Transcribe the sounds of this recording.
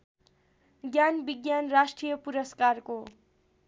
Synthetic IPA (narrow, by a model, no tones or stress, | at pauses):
ɡjanbiɡjanrasʈrijʌpuɾʌskarko